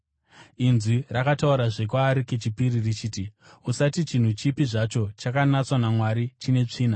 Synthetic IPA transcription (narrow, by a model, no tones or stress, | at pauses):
inzirakatauɾaʐek̬waːɾike̞t͡ʃipiɾirit͡ʃiːti | usatit͡ʃin̤ut͡ʃipiʐat͡ʃo̞t͡ʃakanat͡swanamwaɾit͡ʃine̞t͡ʂiːna